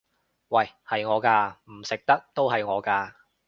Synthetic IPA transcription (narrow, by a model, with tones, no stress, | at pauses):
wɐ˨jhɐ˨jŋɔː˨˧kaː˧m̩˨˩sɪ˨k̚t̪ɐ˥k̚t̪o˥wɦɐ˨jŋɔː˨˧kaː˧